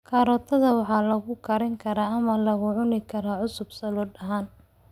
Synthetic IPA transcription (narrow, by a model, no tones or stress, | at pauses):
kʰaːɾɔːt̪ʰɐðɐwɑħɑːlɐɣʊkʰɐɾɪŋkʰɐɾaːɐmɐlɐɣʊʕʊnɪkʰɐɾaːʕʊsʊbsɐlɔːdɐɦaːn